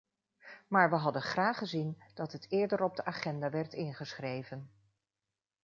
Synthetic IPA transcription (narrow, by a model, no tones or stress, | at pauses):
maːɹʋəɦɑdənχraːχəzind̥ɑtɦətʰɪːɹdəɾɔb̚dəʔaːχɛndaːʋɛɹtɪnχəsχrejvən